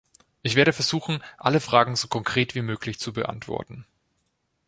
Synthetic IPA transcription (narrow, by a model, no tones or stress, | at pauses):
ʔɪçv̥eːɐɾəfɛɐzuːxn̩ʔaləfʁ̥aːɡŋ̩zoːkʰɔŋkʁ̥eːtv̥iːmøːklɪçt͡subəʔa̰ntv̥ɔ̰ɐtn̩